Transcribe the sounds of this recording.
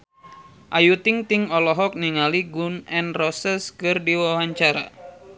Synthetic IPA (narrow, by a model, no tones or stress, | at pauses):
ʔajut̪ɪŋt̪iŋɔlɔɦɔk̚niŋaliɡunɛnrɔsɛskɨrdiwawaɲt͡ʃaɾa̰